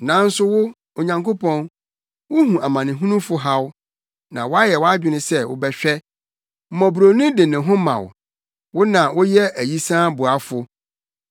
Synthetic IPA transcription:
nã˨n̩˦sʊ˦wʊ˦ | o˨ɲã˨ŋko˦pʰɔ̃˦n | wʊ˦ɦũ˨ʔa˨mã˨nɪ̃˨ɦũ˦nũ˦fʊ˦ɦa˦w | nã̰˨wɔ˦a˦jɛ˨wɔ˦a˦d͡ʑᶣɪ˨nɪ̃˦sɛ˦wʊ̰˦bɛ˦ɕᶣɛ˦ | m̩˦mɔ̃˨bu˨ɾo˨nũ˦dɪ˨nɪ̃˨ɦʊ̃˦mã̰˨w̰ | wʊ˦nã˨wʊ˦jɛ˦ʔæ˨ji˦sãː˦bʊ˨a˦fʊ˨

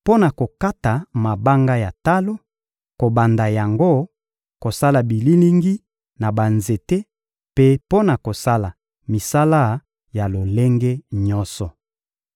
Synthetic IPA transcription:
po˦na˨ko˨ka˦ta˨ma˨ba˦ŋɡa˦ja˨ta˦lo˦ | ko˨ba˨nda˨ja˨ŋɡo˦ | ko˨sa˦la˨bi˨li˦li˦ŋɡi˦ | na˨ba˨nze˨te˦ | pe˦po˦na˨ko˨sa˦la˨ | mi˨sa˦la˦ | ja˨lo˨le˦ŋɡe˦ɲɔ˦sɔ˨

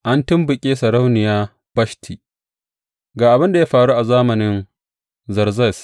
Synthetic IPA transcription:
ʔa˦ntɪ˦mbʊ˨kʲʼeː˦sɐ˨ɾa˦wnɪ˨jaː˦ | b̥ɐ˦ʃtʰi˨ | ɡaː˨ʔa˨bɪ˦nda˨ja˦ɸaː˨ɽuː˦ʔa˨zaː˦mɐ˨nɪ˦n | zɐ˨ɾzɐ˦˨s

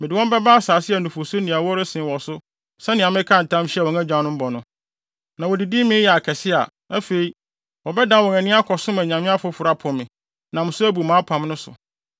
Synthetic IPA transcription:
mɪ̃˨dɪ˨wɔ̃˦m˦bɛ˦baː˦a˦saː˨sɪ˦ɛ˨nũ˨fo˨so˦nĩ˨a˨wɔ˦ɾɪ˦sɪ̃˨wɔ˨sʊ˦ | sɛ˦nɪ̃˨ã˨mɪ̃˦kʰã˦n̩˨tʰã˦mɕwɔ̃˨ŋæ˦d͡ʑᶣã˨˦nʊ̃˦m̩˦bɔ˨nʊ̃˦ | nã˨wɔ˨di˨di˦mɪ̃˦jɛ˨a˨kʰɛ˨sɪ˦a̰˨ | æ˦fe˨i˦ | wɔ˨bɛ˦dã˦wɔ̃˨næ̃˨nɪ̃˦a˦kʰɔ˨sʊ̃˦mæ̃˨ɲã˨mɪ̃˦a˦fʊ˦fʊ˨ɾa˦pʰʊ˨mɪ̃˨ | nã˨mɪ̃˨sʊ˦æ˦bu˨mãː˨˦pʰã˨mnʊ̃˦sʊ̰˨

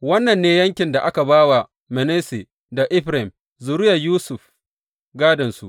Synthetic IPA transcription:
wɐ˦nːɐ˨nːeː˦jɐ˦ŋkʲɪ˨nda˨ʔa˦ka˨baː˦wa˨ | mɛ˨neː˦se˨ | da˨ʔɪ˦ɸɾe˨m | zʊ˨ɾʊ˦ja˨juː˦sʊ˨ɸ | ɡaː˦dɐ˨nsṵ˨ʔ

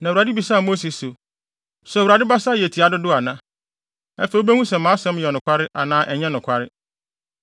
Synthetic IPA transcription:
nã˨wɾa˨dɪ˦bi˨sa˦˨mo˦se˨so˨ | sɛ˨wɾa˨dɪ˦ba˦sa˦˨jɛ˨tʰi˨a˨dʊ˦dʊ˦a˨nã˦ | ɛ̰˦fɛ˨o˦bæ˦hũ˦sɛ˨mã˨˦sɛ̃˦m˦jɛ˨nʊ̃˨kʷʰa˦ɾɪ˦ʔa˨nãː˦ʔɛ˨ɲɛ̃˦nʊ̃˨kʷʰa˦ɾɪ˦

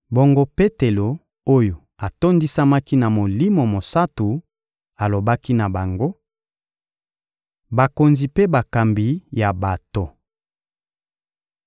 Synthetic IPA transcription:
bo˨ŋɡo˦pe˦te˨lo˨ | o˦jo˨ | a˨to˦ndi˦sa˦ma˦ki˦na˨mo˨li˦mo˨mo˨sa˦tu˨ | a˨lo˨ba˦ki˦na˨ba˨ŋɡo˦ | ba˨ko˨nzi˨pe˦ba˨ka˨mbi˨ja˨ba˨to˨

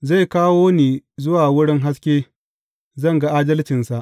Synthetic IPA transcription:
za˦˨jkaː˦woː˦neː˨zʊ˦waː˨wʊ˦ɽɪ˦ŋɦa˦skʲeː˦ | zɐ˦˨ŋɡa˦ʔaː˦dɐ˦lt͡ʃɪ˨nsa˨ʔ

